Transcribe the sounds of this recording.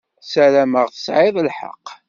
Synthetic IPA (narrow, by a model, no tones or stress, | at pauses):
sælæməʁθə̥sʕɪðˤəlħɑ̰qː